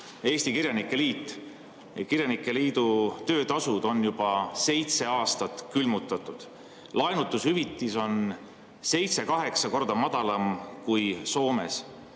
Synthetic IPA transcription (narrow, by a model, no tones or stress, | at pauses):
e̞ːsʲt̪ikirjɑnikːˑe̞liːt̪ːˑ | kirjɑnikˑːe̞liːd̪̥ut̪ø̞ːt̪ɑsud̪̥o̞njub̥ɑse̞jt̪se̞ɑːst̪ɑt̪ˑkylmut̪ːˑɑt̪ːˑud̪̥ | lɑenut̪ːˑushyvit̪ˑːiso̞n | se̞jt̪se̞kɑɦe̞ksɑko̞rd̪̥ɑmɑd̪̥ɑlɑmkujso̞ːme̞̰s